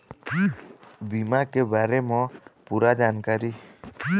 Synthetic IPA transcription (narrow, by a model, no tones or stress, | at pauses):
bimakɛbaɾɛmɔpuɾad͡ʒankaɾi